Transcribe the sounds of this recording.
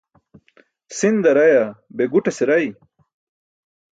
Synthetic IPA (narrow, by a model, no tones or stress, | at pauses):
sind̪ɐɾɐjabeɡuʈeseɾɐj